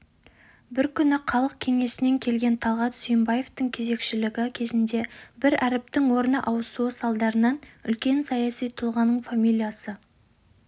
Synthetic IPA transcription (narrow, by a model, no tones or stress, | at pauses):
bɪɾkʲʰʏnɪqʰɑlˠəq̚kʲʰe̞ŋe̞sɪne̞ŋkʲʰe̞lɡʲe̞nt̪ʰɑlˠʁɑt̪sʏjəmbɑje̞ft̪əŋkʲʰe̞ze̞kʃɪlɪɡʲɪkʲʰe̞zɪnd̪e̞bɪɾæɾɪp̚t̪ɪŋwo̞ɾnəʔɑwəsuəsɑlˠd̪ɑɾənɑnʏlkʲe̞nsɑjɑsijt̪ʰʊlˠʁɑnəɴfamilʲijasə